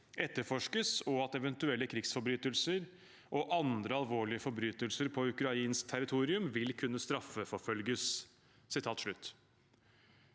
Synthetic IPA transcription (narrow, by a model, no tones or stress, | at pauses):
ɛt̪ːəɾfɔʂkəsɔɑt̪ɛʋɛnt̪ʉɛlːəkʰɾɪɡsfɔɾbɾyːt̪əlsəɾ | ʔɔʔɑnd̪ɾəɑlʋoːɭɪəfɔɾbɾyːt̪əlsəɾpʰɔʉkɾɑiːnsk̚t̪ʰæɾɪt̪ʰuːɾɪʉmʋɪlkʰʉnːəst̪ɾɑfːəfɔfœlɡəs | sɪt̪ʰɑːt̪ʂɭʉt̪ː